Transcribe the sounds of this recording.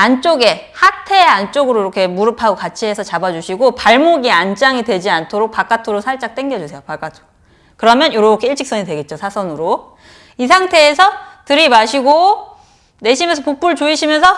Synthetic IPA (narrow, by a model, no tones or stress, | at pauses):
ant͡ɕ͈oɡe̞hatʰe̞ant͡ɕ͈oɡɯɾoiɾʌkʰe̞muɾɯpʰaɡokat͡ɕʰiɦe̞sʰʌt͡ɕabad͡ʑuɕʰiɡopaɭmoɡiant͡ɕ͈aŋidwe̞d͡ʑiantʰoɾok̚pak͈atʰoɾosʰaɭt͡ɕ͈ak̚t͈eŋɡjʌd͡ʑusʰe̞jopak͈atʰo̥ | kɯɾʌmjʌnjoɾokʰeiɭt͡ɕ͈ʰik̚s͈ʌɲidwe̞ɡe̞t̚t͡ɕ͈osʰasʰʌnɯɾo | isʰaŋtʰe̞ːsʰʌtɯɾimaɕʰiɡo | ne̞ɕʰimjʌnsʰʌpuk̚p͈uɭt͡ɕoiɕʰimjʌnsʰʌ